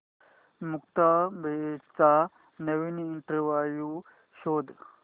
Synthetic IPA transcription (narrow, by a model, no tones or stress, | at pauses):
mʊkt̪ambet͡sa | nɐʋiniːɳʈɾʋaːju | ʃoːd̪